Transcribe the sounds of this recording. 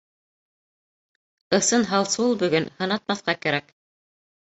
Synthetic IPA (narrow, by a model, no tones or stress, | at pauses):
ɤ̆sɤnɦɑlˠsulˠbɵ̆ɡɵnhɤ̆nɑt̪̚mɑθqɑkæɾæk